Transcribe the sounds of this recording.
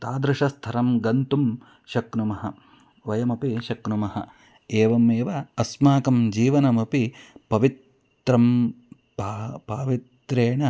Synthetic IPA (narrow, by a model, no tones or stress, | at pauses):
t̪aːd̪ɾɪʂɐst̪ʰɐɾɐmɡɐnt̪um | ʃɐknumɐɦɐ | ʋɐjɐmɐpiʃɐknumɐɦɐ̰ | eːʋɐmeːʋɐːsmaːkɐmd͡ʒiːʋɐnɐmɐpipɐʋit̪ | ɾɐm | pːpaːʋit̪ɾeːɳɐ